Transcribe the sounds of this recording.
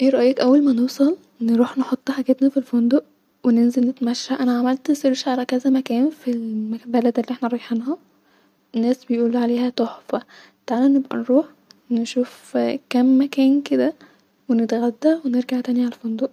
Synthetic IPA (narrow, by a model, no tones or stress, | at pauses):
ʔeːɾˤɑʔjekʔæwːælmænewsˤɑl | neɾuːħneħot̪ˤːħaɡæt̪næfilfond̪oʔ | wenenzelnet̪mæʃːæʔænæʕamælt̪sˤeɾʃʕalækæzæmækæːnfilmæbælæd̪elːiʔeħnæɾˤɑjeħenhæ | enːæːsbejʔuːlːʕaleːhæt̪ˤoħfæ | t̪aʕalænːebʔæ̰nɾuːħ | neʃuːfkæmːækæːnked̪æ | wenet̪ɣæd̪ːæweneɾɡaʕt̪æːniʕalæfond̪oʔ